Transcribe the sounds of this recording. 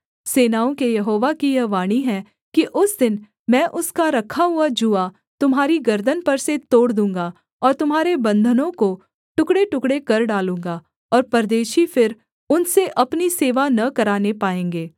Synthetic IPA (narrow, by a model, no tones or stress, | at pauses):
seːnaːõkejɐɦoːʋakijɐʋaːɽ̃iɦɛ̃ | kiʔʊsd̪ɪn | mɛ̃ːʔʊskaɾɐkʰaɦʊad͡ʒua | t̪ʊmɦaːɾiɡɐɾd̪ənpɐɾset̪oːɽd̪ũːŋɡa | ɔːɾt̪ʊmɦaːɾebɐ̃nd̪ʱənõko | ʈʊkɽeʈʊkɽekɐɾɖaːlũːŋɡaː | ɔːɾpɐɾd̪eːʃifɪɾ | ʊnseʔɐpniseːʋanɐkɐɾaːnepaːẽːŋɡeː